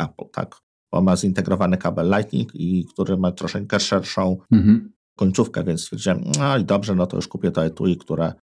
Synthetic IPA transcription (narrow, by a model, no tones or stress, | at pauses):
ʔaplt̪ʰa̰k | b̥ɔ̰nmazint̪ɛɡɾɔvanɘkabɛlːajt̪ɲʲḭkikt̪uɾɘmat̪ɾɔʂɛɲkɛʂɛɾʂɔ̃w̩̃ | kɔɲʲt̪sufkɛ̰vʲjɛnt̪sʲɛ̰ɾd͡ʑɛɔid̪ɔbʐɛnɔt̪ɔ̰jṵʂkupʲjɛt̪ɔɛt̪uikt̪uɾɛ